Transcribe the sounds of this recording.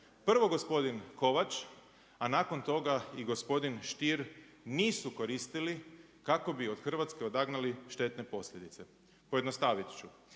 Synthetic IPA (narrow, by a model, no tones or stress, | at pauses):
pr̩ʋo̞ɡo̞spo̞d̪inko̞ʋat͡ʃ | anaːko̞nt̪o̞ɡaiɡo̞spo̞d̪inʃt̪iɾ | niːsuko̞ɾist̪ili | kako̞bio̞d̪xr̩ʋat̪ske̞o̞d̪aɡnaliʃt̪e̞t̪ne̞po̞sʎʲed̪it̪se̞ | pojed̪nost̪aːʋit̪t͡ʃu